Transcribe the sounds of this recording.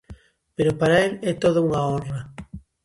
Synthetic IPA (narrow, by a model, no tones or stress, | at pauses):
peɾopaɾaelɛt̪oðʊuŋaoɾa